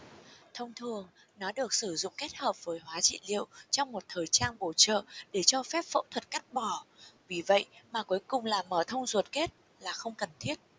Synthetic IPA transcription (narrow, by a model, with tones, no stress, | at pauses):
t̪ʰə˧wŋ͡mt̪ʰɨ˨˩əŋ | nɔ˨˦ɗɨ˨˩ək̚sɨ˧˩zʊ̰˧˨ŋ͡mke˦˥t̚həː˨˩p̚v̥əː˨˦jɦwaː˨˦t͡ɕḭ˧˨lḭ˧˨əwt͡ɕɔ˧wŋ͡mmo˨˩t̚t̪ʰəː˨˩jt͡ɕaː˧nɓo˧˩t͡ɕə̰ː˧˨ɗe˧˩t͡ɕɔ˧fɛ˦˥p̚fə̰˧˥wt̪ʰwə˨˩t̚ka˦˥k̚ɓɔ˧˩vi˨˩və̰˧˨jmaː˨˩ku˨˦jkʊ˨˩ŋ͡mlaː˨˩məː˧˩t̪ʰə˧wŋ͡mzwu˨˩t̚ke˦˥t̚ | laː˨˩xə˧wŋ͡mkə˨˩nt̪ʰi˦˥ət̚